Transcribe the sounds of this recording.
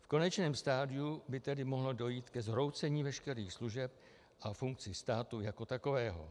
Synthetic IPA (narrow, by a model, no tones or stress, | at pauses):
fko̞nɛt͡ʃnɛːmst̪aːdɪubɪt̪ɛdɪmo̞ɦlodo̞jiːt̪kɛzɦɾo̞wt͡sɛɲiːvɛʃkɛɾiːxsluʒɛp̚ | ʔafuŋk̚t͡sɪst̪aːt̪ujako̞t̪ako̞vɛːɦo̰